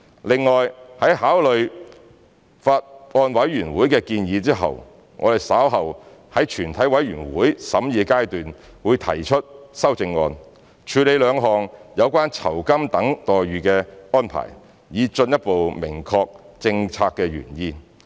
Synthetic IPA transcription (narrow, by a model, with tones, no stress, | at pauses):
lɪ˨ŋːɔː˨jhɐ˨˥jɦaː˨˥wlɵ˨ɥ | faː˧t̚ɔː˧nwɐ˨˥jɥyː˨˩nwuː˨˥jkɛː˧kiː˧njiː˨˧t͡siː˥ɦɐ̰˨w | ŋɔː˨˧d̪e˨jsaː˨˥wɦɐ˨whɐ˨˥jt͡ʃʰyː˨˩nt̪ʰɐ˨˥jwɐ˨˥jɥyː˨˩nwuː˨˥jsɐ˨˥mjiː˨˧kaː˥jt̪yː˨n | wuː˨˧jt̪ʰɐ˨˩jt͡ʃʰɵ˥t̚sɐ˥wt͡sɪ˧ŋːɔ̰ː˧n | t͡ʃʰyː˨˧le˨˧jlœː˨˧ŋɦɔː˨˩ŋjɐ˨˧wkʷaː˥nt͡sʰɐ˨˩wkɐ˥mt̪ɐ˨˥ŋt̪ɔː˨jɥyː˨kɛː˧ɔː˥npʰa̰ː˨˩j | jiː˨˧t͡ʃɵ˧njɐ˥t̚po˨wmɪ˨˩ŋkʰɔː˧k̚t͡sɪ˧ŋt͡sʰaː˧kːɛː˧ɥy̰ː˨˩njiː˧